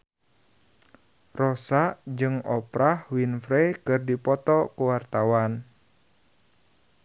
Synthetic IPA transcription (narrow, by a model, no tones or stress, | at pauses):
rɔsaʔd͡ʒɨŋɔpɾahwinfɾɛkɨrdipɔt̪ɔkuwart̪awan